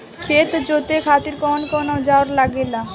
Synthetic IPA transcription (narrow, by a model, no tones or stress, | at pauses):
kʰet̪d͡ʑot̪ekʰat̪iɾkɔnkɔnod͡ʑaoaɾlaɡela